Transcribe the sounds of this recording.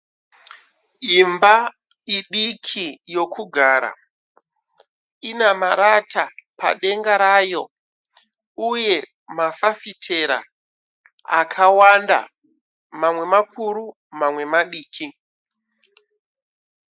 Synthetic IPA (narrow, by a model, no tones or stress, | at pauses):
imba | iɗikʰijo̞kʰuɡʱaːɾa̰ | inamaɾatapa̰ɗe̞ŋɡaɾaːjo̞ | uje̞ | mafafitʰe̞ɾa̰ | a̰kʰawanda̰ | mamwe̞makʰuɾu | mamwe̞maɗiːkʰi